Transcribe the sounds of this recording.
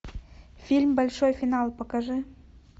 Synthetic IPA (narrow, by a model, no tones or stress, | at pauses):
fʲilʲmbalʲʂojfʲinɑlˠpɐkaʐɨ